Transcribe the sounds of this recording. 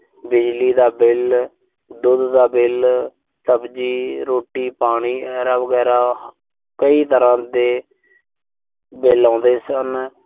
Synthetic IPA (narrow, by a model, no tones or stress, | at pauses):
bɪd͡ʒliːd̪aːbɪl | d̪ʊd̪d̪aːbɪl | səbd͡ʒiːɾoːʈiːpaːɽ̃iːəɡɛːɾaːʋəɡɛːɾaː | kəiːt̪əɾãːd̪eː | bɪlãːnd̪eːsən